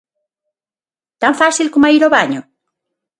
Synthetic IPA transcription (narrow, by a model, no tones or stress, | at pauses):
t̪aɱfasilkomaiɾoβaɲo